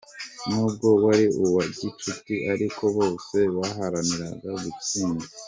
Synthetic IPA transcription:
nuːb̚ɡo̞waɾiuwaɟit͡ʃutiʔaɾikʰo̞βo̞ːse̞βaɦaɾaniɾaɡaɡuciːnɡi

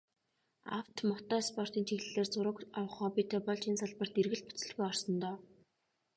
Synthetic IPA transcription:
a̰wt̪mɔt̪ɔːspɔr̥t̪iːnt͡ɕʰixɮɘ̆ɮeːrt͡sʊɾə̆kawə̆χɔːpit̪ʰeːpɔɮt͡ɕinsaɮpə̆r̥t̪erɣɘ̆ɮpu̥t͡sɘ̆ɮɣujɔrsɞ̆nt̪ɔː

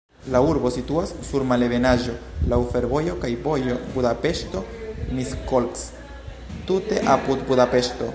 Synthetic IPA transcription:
lauɾbo̞situasːuɾmale̞ve̞naʒo̞lawfe̞ɾbo̞jo̞kajbo̞jo̞budape̞ʃto̞miskolks | tute̞ʔapud̪budape̞ʃto̞

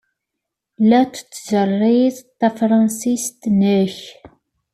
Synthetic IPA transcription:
læt͡st͡sːzərˤːiðˤt̪ːæfɾˤɑnsist̪nəç

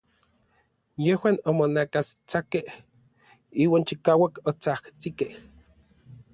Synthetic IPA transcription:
jehwaːnomonakast͡sakeh | iːwaːnt͡ʃikaːwakot͡saht͡sikeh

